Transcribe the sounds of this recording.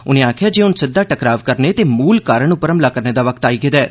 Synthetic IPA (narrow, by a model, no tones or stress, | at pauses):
ʊnẽːaːkʰɪjaːd͡ʒeːʊnsɪd̪aːʈəkɾaːʋkəɾneːt̪eːmuːlkaːɾəɳʊpəɾəmlaːkəɾneːd̪aːʋəkt̪aːiːɡed̪ɛː